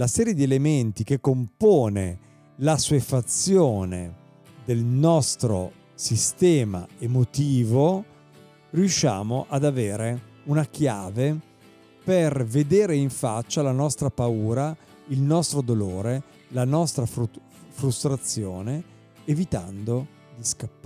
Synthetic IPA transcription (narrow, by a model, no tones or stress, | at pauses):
lasɛːɾjed̪ielement̪ik̟ekːompoːne | lasuefat̪sːjoːnḛ | d̪elnɔst̪ɾo̰ | sist̪ɛːma̰emot̪iːvo | rijuʃːa̰ːmoʔad̪aveːɾeunakjaːve | perved̪eːɾeiɱfat͡ʃːalanɔst̪ɾapauːɾa | ilnɔst̪ɾod̪oloːɾe | lanɔst̪ɾaf | fɾust̪ɾat̪sːjoːneː | vit̪a̰nd̪o | d̪iskapː